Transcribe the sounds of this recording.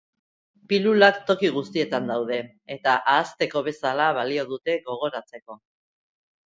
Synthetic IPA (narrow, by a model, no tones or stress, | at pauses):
pilulakt̪o̞kiɣ̞ust̪ie̞t̪and̪awð̞e̞ | et̪aʔaːst̪e̞ko̞βe̞salaβalio̞ðut̪e̞ɣo̞ɣ̞o̞ɾat͡se̞ko̞